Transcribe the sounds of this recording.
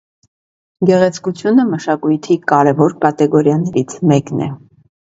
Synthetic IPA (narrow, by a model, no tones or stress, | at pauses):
ɡɛʁɛt͡sʰkut͡sʰjunəməʃɑkujt̪ʰikɑɾɛvɔɾkɑt̪ɛɡɔɾjɑnɛɾit͡sʰmɛknɛ̰